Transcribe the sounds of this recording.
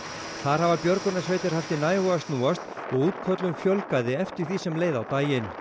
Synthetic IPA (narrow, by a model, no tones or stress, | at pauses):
θaɾ̥havapjœɾkɔnasveːjt̪ɪɾ̥haft̪ɪnaːjvɔɣast̪nuːast̪ | ɔɣuːt̪kʰœt̪lʏmfjœlkaðɪɛft̪ɪɾ̥θisɛmleːjðawt̪aːjɪn